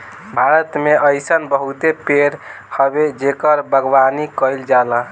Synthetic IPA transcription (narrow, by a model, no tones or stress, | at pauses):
bʱaɾət̪meʔəjsənbəɦut̪epeɾ | həbed͡ʒekəɾbʱəɡʋanikəjld͡ʒalə